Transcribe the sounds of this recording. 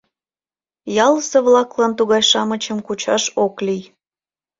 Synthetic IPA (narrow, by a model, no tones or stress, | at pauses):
jɑləsəβlɑklɑnt̪uɣɑjʃɑmət͡ɕəmkut͡ɕɑʃoklij